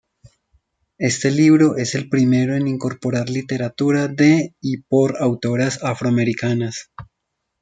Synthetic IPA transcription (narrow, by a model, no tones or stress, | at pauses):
e̞st̪e̞liβɾo̞ʔe̞se̞lpɾime̞ɾo̞e̞niŋko̞ɾpo̞ɾaɾlit̪e̞ɾat̪uɾaðe̞ipo̞ɾawt̪o̞ɾasafɾoame̞ɾikanas